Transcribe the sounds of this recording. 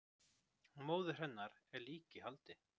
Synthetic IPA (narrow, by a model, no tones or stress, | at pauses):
moːwðɪr̥ɛnːaɾɛɾliːcɪɦalt̪ɪ